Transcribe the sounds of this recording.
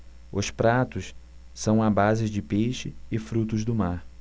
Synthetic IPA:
ʊ̰spɾat̪ʊs | sɐ̃w̃abazɪd͡ʒɪpejʃɪɪfɾut̪ʊzd̪ʊmaɾ

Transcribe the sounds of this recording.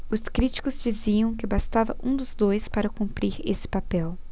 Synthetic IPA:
ʊskɾit͡ʃi̥kʊzd͡ʒiziɐ̃w̃kɪbast̪avɐ̰ʔũd̪ʊzd̪ojspaɾɐkũmpɾiɾḛsɪ̥papɛw

